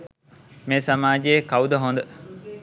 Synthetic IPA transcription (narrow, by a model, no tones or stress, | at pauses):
meːsɐmaːd͡ʒeekaud̪əɦond̪ə